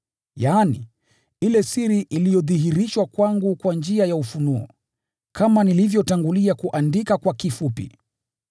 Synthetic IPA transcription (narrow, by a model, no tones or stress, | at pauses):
janḭ | ilɛsiɾiʔilijɔðiɦiɾiʃwakwaŋɡukwand͡ʒiajaufunuɔ̰ | kʰamanilivjɔtaŋɡuliakuʔandikakwakifupḭ